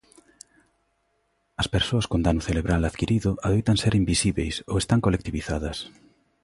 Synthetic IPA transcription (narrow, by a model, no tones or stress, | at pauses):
ɐspeɾsoɐskond̪anʊθeleβɾalaðkiɾiðʊaðejt̪aŋseɾimbisiβejso̰west̪aŋkolek̚t̪iβiθaðɐs